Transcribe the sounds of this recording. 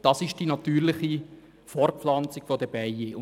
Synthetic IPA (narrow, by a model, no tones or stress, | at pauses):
d̥ɑsɪʃd̥inɑtyːɾlɪχi | fɔrflɑnt͡sɪkfodəb̥ɛjɪʊ